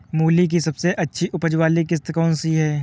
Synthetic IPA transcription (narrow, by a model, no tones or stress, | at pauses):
muːlik̬isɐbseʔɐtːʃʰiʔʊpəd͡ʒwaːlikɪst̪kɔːnsiɦɛː